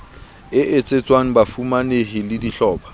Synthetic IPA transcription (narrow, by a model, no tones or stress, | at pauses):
ɪʔet͡sʼet͡sʼwaŋ̩bafumaneɦɪlɪdiɬɔːpʰḁ